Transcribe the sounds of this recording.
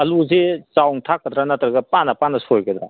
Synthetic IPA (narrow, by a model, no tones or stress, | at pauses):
ɐluzet͡ʃawŋtʰakːɐd̪ɾanɐt̪ɾɐɡɐpanɐpanɐsojkɐd̪ɾa